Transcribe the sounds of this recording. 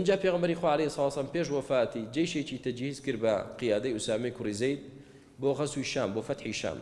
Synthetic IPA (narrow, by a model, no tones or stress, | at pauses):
ɨnd͡ʒaːpʰeɣʁɐmbɐɾixwaʕalejisˤɑlɑːsɐlampeʃ̬wɐfaːt̪id͡ʒejʃet͡ʃit̪ʰɐd͡ʒhiːzkɨɾbɐqɨjaːd̪ɐjʔusaːmɐjkʰʊrizejd̪̚ | boːɣɐswuiʃaːmboːfɐt̪ħiʃa̰ːm